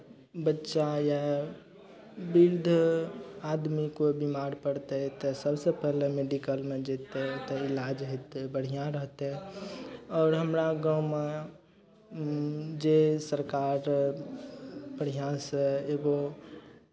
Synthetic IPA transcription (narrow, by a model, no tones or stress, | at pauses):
bətːʃaja | biɾd̪ʱ | aːd̪mikobimaːɾpəɽt̪eɦɛt̪esəbsepɛɦlemeɖikəlmẽd͡ʒeːt̪eɦt̪eɪlaːd͡ʒɦɪt̪bəɽ̤ijãɾəɦt̪eɦɛ̃ | ɔːɾɦəmɾaɡaːwme | d͡ʒesəɾkaːɾ | pəɽ̤ijãseeːɡo